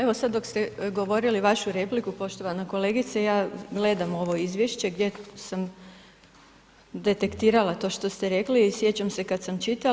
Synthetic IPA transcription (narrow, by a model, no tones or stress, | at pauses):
eʋo̞sad̪d̪o̞kst̪eɡo̞ʋo̞ɾiliʋaʃuɾe̞plikupo̞ʃt̪o̞ʋanako̞le̞ːɡit̪sejaːɡle̞d̪amo̞ʋo̞izʋjeʃt͡ɕe̞ɡdʲje̞sam | d̪e̞t̪e̞kt̪iːɾalat̪o̞ːʃt̪o̞st̪eɾe̞klisje̞t͡ɕamse̞kad̪samt͡ʃit̪a